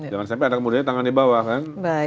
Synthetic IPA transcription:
d͡ʒaŋansampɛadakəmudaɲat̪aŋandibawahkan | ba

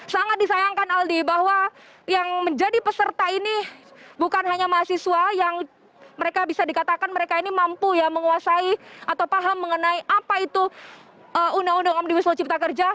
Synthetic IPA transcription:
saŋat̪̚disajaŋkanaldibahwa | jaŋməɲd͡ʒadipəsərt̪ainibukanɦaɲamaɦasisuajaŋ | məɾekabisadikat̪akanməɾekainimampujaməŋuasaiat̪awpaɦamːəŋənaiʔapait̪u | əundaundaŋamdiwisot͡ʃip̚t̪akərd͡ʒa

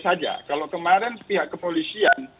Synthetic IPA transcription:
sad͡ʒa̰kalowkəmaɾɛnspiɦaʔkəpolisian

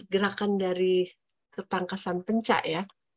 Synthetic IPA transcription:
ɡəɾakandaɾi | kət̪aŋkasanpəɲt͡ʃa̰ʔja

